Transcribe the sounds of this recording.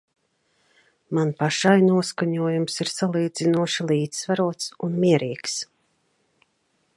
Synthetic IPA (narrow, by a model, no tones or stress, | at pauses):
manpaʃajnuɔskaɲuɔjumsiɾsalˠiːd̪zinuɔʃilˠiːd̪vaɾuɔt̪sunmiɛɾiːks